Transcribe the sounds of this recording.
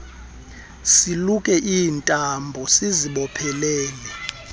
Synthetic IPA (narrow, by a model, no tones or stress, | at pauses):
silukʼɛʔiːntʼambʱɔsiziɓɔpʰɛlɛːlɛ